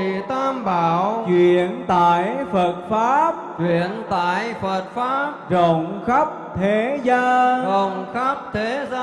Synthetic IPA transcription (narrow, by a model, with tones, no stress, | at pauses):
t̪ʰaː˧mɓaː˧˨˧wt͡ɕwḭ˨˧˨ənt̪a̰ː˧˨jfə˨˩t̚faː˦˥p̚t͡ɕwḭ˧˨ənt̪a̰ː˧˨jfə˨˩t̚faː˦˥pzə˧˨wŋ͡mxə˦˥p̚t̪ʰe˨˦zaː˧zə˧˨wŋ͡mxa˦˥p̚t̪ʰe˨˦zaː˧